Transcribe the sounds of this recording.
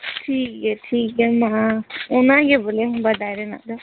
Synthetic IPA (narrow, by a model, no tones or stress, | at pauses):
ʈʰiːkɛʈʰiːkɛmaʊnãɡebolebɐd̪ʱaːjɾena̰d̪a